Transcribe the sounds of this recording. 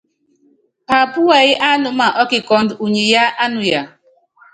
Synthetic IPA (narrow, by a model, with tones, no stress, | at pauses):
pa˨pʊ˦wa˨ɣɪ˦ʔa˦nʊ˨ma˨ʔɔ˦kɪ˨kɔ˨n̩˦du˨ɲe˨ja˦ʔa˦nʊ˨ja˨